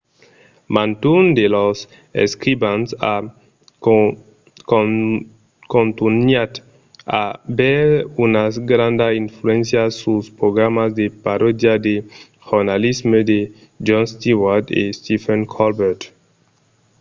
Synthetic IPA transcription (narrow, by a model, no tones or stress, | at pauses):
mãnt̪und̪elos | ḛskɾibãnsa | kõnt̪unjat̪ | abɛɾunazɡɾãnd̪aiɱfluẽnsjasuspɾoɡɾamazd̪epaɾod̪jad̪e | ʝoɾnalizmed̪e | d͡ʒɔ̃nst̪iwaɾd̪ḛst̪ifeŋkʰɔlbeɾt̪